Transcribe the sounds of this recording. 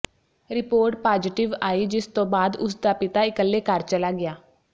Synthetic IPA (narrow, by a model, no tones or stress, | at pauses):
ɾɪpoːɾʈ̚paːd͡ʒɪʈɪʋaːiːd͡ʒɪst̪õːbaːd̪ʊsd̪aːpɪt̪aːɪkəlːeːkəɾt͡ʃəlaːɡɪjaː